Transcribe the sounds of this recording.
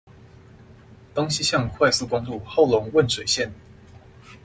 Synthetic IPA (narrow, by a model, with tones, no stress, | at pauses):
t̪o˥ŋɕi˥ɕjɑ˥˧ŋkʰwa˥˩ɪsɹ̩˥˧kʊ˥ŋt̪u˥˧xo˥˩ʊlʊ˧˥ŋwə˥˩nʂwe˨˩ɪɕjɛ˥˩n